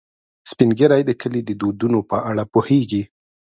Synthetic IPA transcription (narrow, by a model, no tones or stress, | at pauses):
spinɡeɾajd̪əkəlid̪əd̪od̪unopəʔaɽapoheɡi